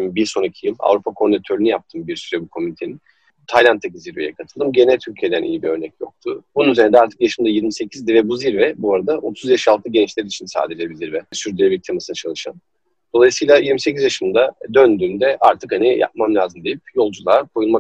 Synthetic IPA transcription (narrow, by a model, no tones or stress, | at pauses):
biɾso̞nacʰijɯma̰vɾupʰakʰo̞ɾnat̪ʰøɾynyjap̚t̪ʰɯːmbiɾsyɾɛbukʰo̞myinit̪ʰe̞nin | t̪ʰajlʲˠant̪ʰːaciziɾve̞jɛ̰kʰat̪ʰɯlˠd̪ɯmɟe̞nɛlʲt̪ʰylʲcʰijed̪ænʔḭjibiø̞ɾnɛcjo̞̰k̚t̪ʰʊbununyzend̪aɾt̪ʰɯ̥kjaʃɯmd̪ajiɾmise̞cʰizd̪ɛvɛbuziɾvɛbuaɾad̪aʔo̞t̪ʰuzjaʃalˠt̪ʰɯɟɛnt͡ʃlʲeɾit͡ʃʰinsa̰ːd̪ed͡ʒebiziɾvɛsyɾd̪yɾɛbit̪ʰemasɯnat͡ʃʰalˠɯʃa̰n | d̪̥o̞lˠajɯsɯːjlˠajiɾmisecʰʲizjaʃɯmd̪ad̪ønd̪yːmd̪ɛʔaɾt̪ʰɯkhanija̰p̚mamlʲaːzɯmd̪ejipjo̞lˠd͡ʒulˠakʰo̞julˠma